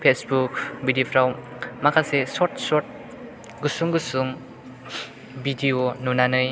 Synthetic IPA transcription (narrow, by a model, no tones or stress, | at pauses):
pʰesbuk̚bidipʰɾawmakʰasesɔt̚sɔt̚ | ɡɯsuŋɡɯsuŋ | bidionunanɯj